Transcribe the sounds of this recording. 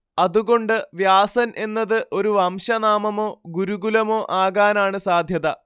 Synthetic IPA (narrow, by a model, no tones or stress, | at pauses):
ɐðuɣo̞ɳɖɨʋjaːsɐnʔe̞nːɐðɨʔo̞ɾuʋɐmɕɐnaːmɐmo̞ːɡuɾuɡulɐmo̞ːʔaːɣaːnaːɳɨsaːd̪ʱjɐðɐ